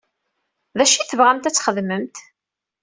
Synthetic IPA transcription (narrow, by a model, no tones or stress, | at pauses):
ðæʃiθəvʁæmt̪æt͡sːχəðməmt̪